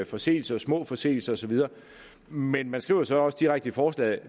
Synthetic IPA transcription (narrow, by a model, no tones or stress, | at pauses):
fɒ̽se̝̰ːl̩sɐɒsmɔ̰̽ːfɒ̽se̝̰ːl̩sɐ̽ːsɒ̽ʋið̞ˠɐː | menmænsɡ̥ʁḭʊɐsɒ̽ɒ̽sd̥iʁaɡ̥̚d̥əifɒːslɛ̰